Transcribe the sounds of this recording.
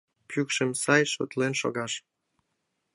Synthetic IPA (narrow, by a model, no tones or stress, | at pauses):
pykʃĕmsɑjʃo̰t̪lenʃo̰ɣɑʃ